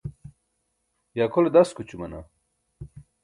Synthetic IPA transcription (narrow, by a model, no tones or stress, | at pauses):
jaːkoled̪ɐskut͡ɕumɐna̰